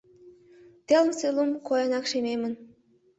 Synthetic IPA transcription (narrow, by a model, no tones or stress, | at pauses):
t̪elmselumkojənɑkʃememən